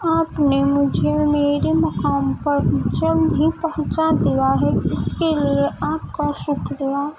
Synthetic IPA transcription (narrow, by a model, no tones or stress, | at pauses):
aːpnemʊd͡ʒʱemeːɾemɐkaːmpəɾt͡ʃəld̪ɦipɛɦʊ̃t͡ʃad̪ijaɦɛɪskelieʔaːpkaʃʊkɾɪaː